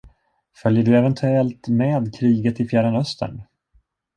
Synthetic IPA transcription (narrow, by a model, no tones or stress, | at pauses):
fœljəɖɵɛvɛnt̪ʰɵɛlt̪meːd̪kʰɾiːɡət̪ɪfjæɖənœst̪ʰə̰ɳ